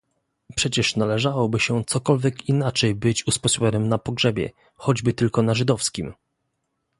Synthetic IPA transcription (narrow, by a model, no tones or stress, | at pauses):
pʂɛt͡ɕɛʂnalɛʐawɔbɘɕɛt̪sɔkɔlvʲjɛkinat͡ʂɛjbɘt͡ɕuspɔɕwʲɔnɘmnapɔɡʐɛbʲjɛ̰ | xɔd͡ʑbɘt̪ɘlkɔnaʐɘd̪ɔfskʲim